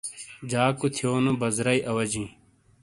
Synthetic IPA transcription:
d͡ʑaːkut̪ʰijoːnubɐzɾɐjʔɐwɐd͡ʑĩː

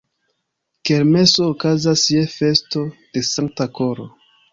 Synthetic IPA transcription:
ke̞ɾme̞so̞ːkazasjefe̞sto̞d̥e̞saŋk̚tako̞ɾo̰

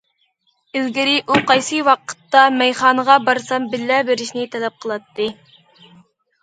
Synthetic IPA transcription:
ɪzɡʲɪɾɪʔuqɑjsɨwɑqə̥t̪ːɑmɛjχɑːnəʁɑbɑɾsɑmbɪlːæbeɾɪʃnɪt̪ʰɛlɛp̚qʰəlˠɑt̪ːɨ

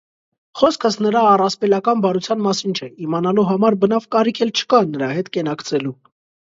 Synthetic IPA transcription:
χɔskʰəsnəɾɑːrɑspɛlɑkɑnbɑɾut͡sʰjɑnmɑsint͡ʃʰɛimɑnɑluɦɑmɑɾbənɑvkɑɾikʰɛlt͡ʃʰə̥kɑnəɾɑhɛt̪kɛnɑkt͡sʰɛlu

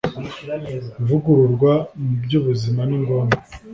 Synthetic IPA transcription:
vuɡuɾuɾɡwamubjuːβuzimaniŋɡo̞ːme

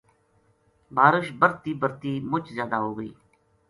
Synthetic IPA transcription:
baːɾəʃbəɾt̪iːbəɾt̪iːmʊt͡ʃʰzjaːd̪aːɦoːɡəḭː

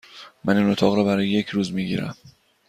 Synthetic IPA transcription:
mæniːnot̪ʰɒːɣɾɒːbæɾɒːjeje̞cʰɾuːzmiːɟḭːɾæ̰m

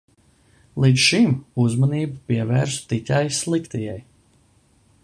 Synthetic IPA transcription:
lˠid̪sʃimuzmɔniːbapiɛvæːɾsu̥t̪itʲajslˠikt̪ijɛj

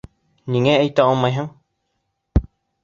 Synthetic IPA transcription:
ɲiŋeejt̪aomːãjɦaŋ

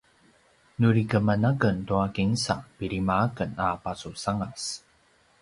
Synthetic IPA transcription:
nuɾikəmanaɡəntuakiŋsapiɾimaːkənapasusaŋas

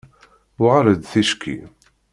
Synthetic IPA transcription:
wʁəɾəd̪θiʃkʰḭ

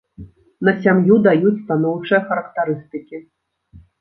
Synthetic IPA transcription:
n̪ɐsʲamjud̪ajut͡sʲst̪anɔwt͡ʂɨjɐxɐɾɐkt̪aɾɨst̪ɨkʲi

